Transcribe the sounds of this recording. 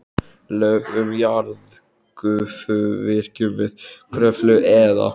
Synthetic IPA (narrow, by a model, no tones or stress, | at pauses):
lœɥɣʏmjaɾð | kʏfœvɪɾ̥cʏmvɪðkʰɾœflʏʔɛða̰